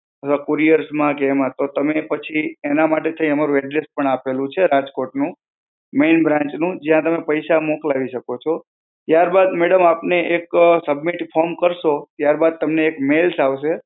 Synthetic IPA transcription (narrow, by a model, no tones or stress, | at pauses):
ət̪ʰʋakoɾijəɾsmãkemat̪ot̪əmepət͡ʃʰienamaʈet̪ʰəĩəmaɾuɛɖɾespəɳapelũt͡ʃʰeɾad͡ʒkoʈnũ | menbɾãɲt͡ʃnũd͡ʒijãt̪əmepəjʃamoklaʋiʃəkot͡ʃʰɔ | t̪jaɾbad̪meɽəmapneʔeksəbmiʈfʰɔmkəɾʃot̪jaɾbad̪̚t̪əmneːkmelsaʋʃe